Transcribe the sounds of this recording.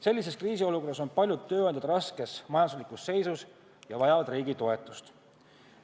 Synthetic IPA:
se̞lːise̞skriːsio̞luko̞rːɑsonpɑlʲjut̪ːø̞ːɑnd̪ɑd̪ɾɑske̞smɑjɑnd̪uslikusːe̞jsus | jɑvɑjɑvɑd̪riːɡ̥it̪o̞e̞t̪ːˑu̥st̪

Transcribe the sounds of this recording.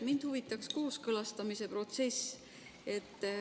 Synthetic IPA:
mind̪̥huvit̪ːˑɑksko̞ːskɤlɑst̪ɑmise̞pro̞t̪se̞s | e̞t̪ˑː

